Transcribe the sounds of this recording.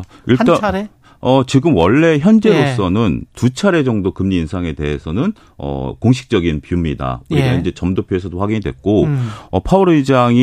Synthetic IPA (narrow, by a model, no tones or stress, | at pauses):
iɭt͈a | ʌt͡ɕiɡɯmwʌɭːe̞çjʌnd͡ʑe̞ɾos͈ʌnɯntut͡ɕʰaɾe̞d͡ʑʌŋdokɯmɲiːnsʰaŋe̞de̞̰ɦe̞sʰʌnɯn | ʌ̰koŋɕʰi̥k̚t͡ɕ͈ʌɡinpjumɲida̰uɾiɡaind͡ʑe̞t͡ɕʌmdopʰjoesʰʌdoɸwaɡiɲidwek̚k͈oʌpʰauɾɯid͡ʑaŋi